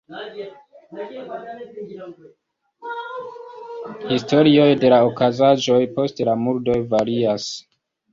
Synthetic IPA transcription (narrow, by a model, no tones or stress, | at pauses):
histo̞ɾio̞jde̞laokazaʒo̞jpo̞stelamuɾdo̞jvaɾias